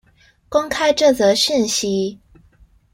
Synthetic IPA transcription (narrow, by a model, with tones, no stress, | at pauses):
kʊ˥ŋkʰa˥ɪʈ͡ʂɤ˥˩t͡sə˥˩ɕi˥˩nɕi˥